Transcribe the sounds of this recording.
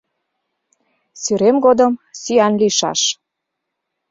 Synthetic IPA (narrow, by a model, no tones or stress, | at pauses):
syɾemɡod̪ə̆msyænliʃɑ̰ʃ